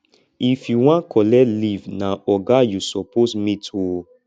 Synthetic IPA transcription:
ifjuwãnkʰɔlɛlivnãɔɡajusɔpʰosmĩtʰu

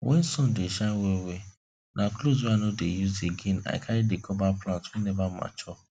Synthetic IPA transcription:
wʔɛ̰n̩sɔ̃n̩deʃawewe | nʔaklozanodejuzeɡena̰ɪkʰaɾɪdekʰɔbaplatwunebama̰t͡ʃɔ

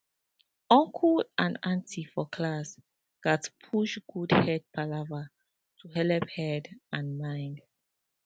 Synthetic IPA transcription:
ɔ̃ŋkʰulʔãnãntʰifɔkʰlas | ɡ̥atpʰuʃɡ̥udhɛd̚pʰalava | tʰuɦɛlɛphɛdãnmãɪ̃nd

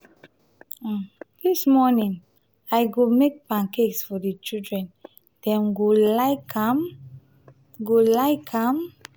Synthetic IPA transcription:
d̥ismɔnĩŋ | ajɡomek̚pãŋkeɡsfɔdit͡ʃildɹɛ̃n | d̥ɛ̃mɡolaɪkam | ɡolaɪkʰãm

